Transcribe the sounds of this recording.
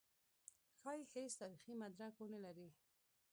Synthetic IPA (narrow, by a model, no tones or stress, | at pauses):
xɑjihest̪ɑɾiximad̪ɾakonalaɾi